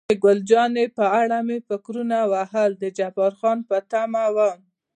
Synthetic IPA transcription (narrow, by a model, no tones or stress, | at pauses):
eɡʊld͡ʒɑnepəaɽamefɪkɾunawaɦəld̪əd͡ʒafɑɾxɑnpət̪amawa